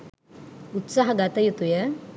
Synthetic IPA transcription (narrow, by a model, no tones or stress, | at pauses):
ut̪saɦɐɡɐt̪ɐjut̪ujɐ